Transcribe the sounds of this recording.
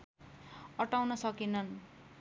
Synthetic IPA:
ʌʈawnʌsʌkinʌn

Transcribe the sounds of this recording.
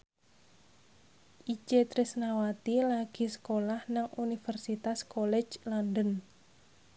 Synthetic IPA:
ʔit͡ʃet̪ɾɪsnawat̪ilaɡ̥i̤sə̥kolahnaŋʔunifərsit̪askolɛ̥d͡ʒlandən

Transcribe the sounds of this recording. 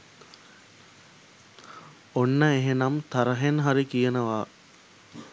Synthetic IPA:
onːəeɦenamt̪aɾəɦenɦaɾikijənəʋaː

